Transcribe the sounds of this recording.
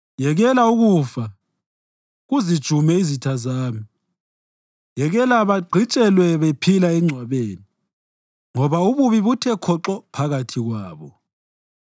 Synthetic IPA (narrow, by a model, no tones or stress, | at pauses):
jɛɣɛlauɣufa | ɣuzid̥ʒ̥ʱumɛizitʰazaːmi | jɛɣɛlaβaɡ͡ǀʱit͡ʃʼɛlwɛβepʰilaɛŋ͡ǀʱwaβeːni | ŋɔβauβuβiβutʰɛkʰɔǁɔpʰaɣatʰiɣwaːβɔ